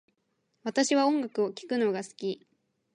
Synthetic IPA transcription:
βat̪aɕiβaõ̞ŋɡakɯ̟o̞kʲi̥kɯ̟no̞ɡasɨ̥kʲi

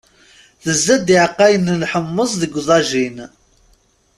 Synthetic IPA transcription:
θəzːæd̪iʕqːæjənlħəmːəsˤðəɡʷðˤɑʒin

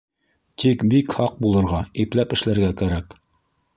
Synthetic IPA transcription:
t̪ʰikbikhɑq̚bulˠɤ̆ɾʁɑiplæpɘ̆ʃlæɾɡækæɾæk

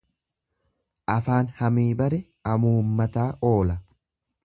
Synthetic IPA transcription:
ʔɐfaːnhɐmiːbɐɾɛ | ɐmuːmːɐt̪aːʔo̞ːlɐ

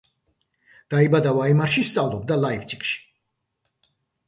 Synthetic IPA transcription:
d̪̥aibad̪avaɛmaɾʃist̪sʼavlˠɔb̚d̪alaivt͡ʃʼikʼʃi̥

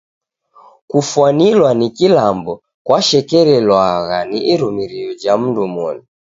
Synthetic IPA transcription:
kufwanilwanikilambɔ | kwaʃɛkɛɾɛlwaɣaniʔːɾumiɾiɔd͡ʒam̩ndumɔnu

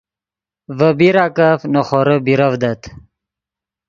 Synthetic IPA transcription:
vəbiɾaːkafnoχoɾəbiɾɐvd̪ɐt̪ʰ

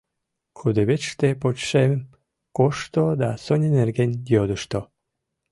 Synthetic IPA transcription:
xud̪eβʲet͡ɕʃt̪epot͡ɕʃem | koʃt̪od̪asonʲenerɡenʲjjod̪əʃt̪o

